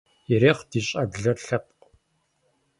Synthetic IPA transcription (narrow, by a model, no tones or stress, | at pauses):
iɾeːχdiːɕʼɐbɮɐrɬɐp̚q